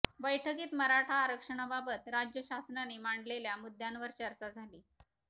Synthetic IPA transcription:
bəjʈʰəkiːt̪məɾaʈʰaːɾəkʂəɳ̃ababət̪ɾad͡ʑjəɕasnanemaɳɖleljamud̪ʱjanʋəɾt͡ɕəɾt͡ɕad͡zʱaliː

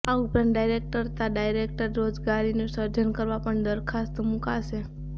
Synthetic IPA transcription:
aʊpɾanɖajɾek̚ʈəɾt̪aɖajɾek̚ʈəɾːod͡ʒɡaɾinusəɾd͡ʒənkəɾʋapəɳd̪əɾkʰast̪mukaʃe

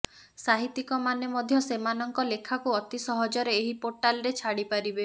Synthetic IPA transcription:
saɦit̪ikɔmanemɔd̪ʱjɔsemanɔŋkɔlekʰakuɔt̪isɔɦɔd͡ʒɔɾeːɦipoɾʈalɔɾet͡ʃʰaɽipaɾibe

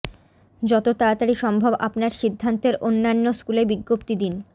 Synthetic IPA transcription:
d͡ʑɔt̪ot̪aat̪aɽiʃɔmbʱoba̰pnaɾʃid̪ʱːant̪eɾʔonːanːoskulebiɡːopt̪id̪in

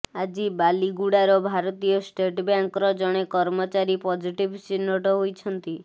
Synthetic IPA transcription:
ad͡ʒibaliɡuɽaɾɔbʱaɾɔt̪ijɔsʈeʈbjaŋkɔɾɔd͡ʒɔɽ̃ekɔɾmɔt͡ʃaɾipɔd͡ʒiʈibt͡ʃinːɔʈɔɦojt͡ʃʰɔnt̪i

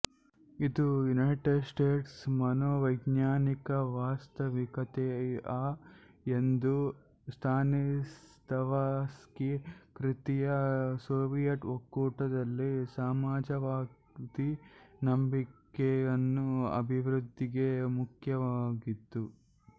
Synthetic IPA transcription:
id̪ujunɐjʈeɖsʈeːʈsmɐnoːʋɐjɡɲaːnikɐʋaːst̪ɐʋikɐt̪ea | end̪u | st̪ʰaːnist̪ʰɐʋaskikɾit̪ijɐsoːʋijɐʈokːuːʈɐd̪ɐlːisaːmaːd͡ʒɐʋaː | t̪inɐmbikeɐnːuɐ̰bʱiʋɾud̪ʱːiɡe̞mukʰjɐʋaːɡit̪ːu

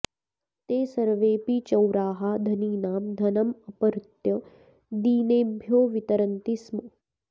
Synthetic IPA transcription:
t̪eːsɐɾʋeːpit͡ʃɐwɾaːɦad̪ʱɐniːnaːmd̪ʱɐnɐmɐpɐɾt̪jɐ | d̪iːneːmbʱjoːʋit̪ɐɾənt̪ismu

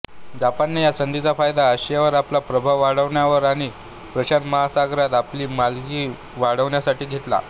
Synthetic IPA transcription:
d͡zapanːijasənd̪it͡safajd̪aəɕjaʋəɾaplapɾəbʱaʋʋaɽəʋɳjaʋəɾaɽ̃i | pɾəɕanməɦasaɡɾat̪apliːmalɡiː | ʋaɽəʋɳjasaʈiːɡʱet̪la̰

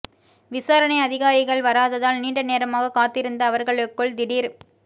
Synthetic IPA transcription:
ʋɪsaːɾɐnɐɪɐðɪɣaːɾɪɣɐɭʋɐɾaːðɐðaːlniːɳɖɐneːɾɐmaːɣɐkaːt̪ːɪɾɯnd̪ɐːʋɐɾɣɐɭɯkːɯɭd̪ɪɽiːɾ

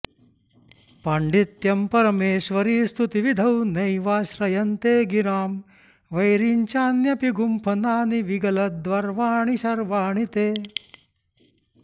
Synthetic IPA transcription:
paɳɖit̪jɐmpɐɾɐmeːʃʋɐɾiːst̪ʰut̪iʋid̪ʱɐwnɐjʋaːʃɾɐjɐnt̪eːɡiɾaːm | ʋɐjɾiɲt͡ʃaːnjɐpiɡumpʰɐnaːniʋiɡɐlɐt̪̚d̪ʋɐɾʋaːɳiʃɐɾʋaːɳit̪eː

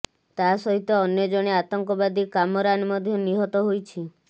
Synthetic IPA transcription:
t̪asɔɦit̪ɔːnjɔd͡ʒɔɽ̃eat̪ɔŋkɔbad̪ikamɔɾanmɔd̪ʱjɔniɦɔt̪ɔɦojt͡ʃʰi

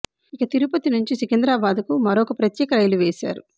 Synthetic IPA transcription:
ikɐt̪iɾupɐt̪inuɲt͡ʃisikend̪ɾaːbaːd̪ukumɐɾoːkɐpɾɐt̪jɛːkɐɾɐjluʋeːsa̰ːɾu

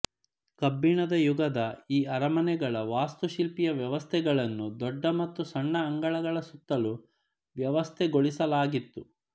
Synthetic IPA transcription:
kɐbːiɳɐd̪ɐjuɡɐd̪ɐiːɐɾɐmɐnɛɡɐɭɐʋaːst̪uʃilpijɐʋjɐʋɐst̪ʰɛɡɐɭɐnːud̪ɔɖːɐmɐt̪ːusɐɳːɐːŋɡɐɭɐɡɐɭɐsut̪ːɐlu | ʋjɐʋɐst̪ʰɛɡoɭisɐlaːɡit̪ːu

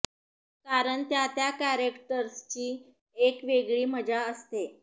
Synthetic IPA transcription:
kaɾəɳt̪jat̪jakæɾekʈəɾst͡ɕiː | ekʋeɡɭiːməd͡ʑaəst̪e

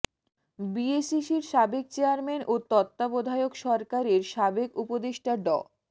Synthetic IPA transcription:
biesiʃiɾʃabek̚t͡ɕejaɾmenʔot̪ɔt̪ːabod̪ʱaeokʃɔɾkaɾeɾʃabekupod̪eʃʈʰaɖɔ̰

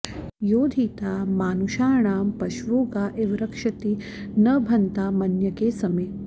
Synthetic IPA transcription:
joːd̪ʱiːt̪aːmaːnuʃaːɳaːmpɐʃʋoːɡaːʔeʋɾɐkʂɐt̪i | nɐbʱɐnt̪aːmɐnjɐkeːsɐmeː

